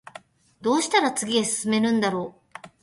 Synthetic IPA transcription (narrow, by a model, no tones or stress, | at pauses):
d̪̥o̞ːɕi̥t̪aɾat͡sɨɡʲidesɨ̥sɨme̞ɾɯ̟̃nd̪aɾo̞ː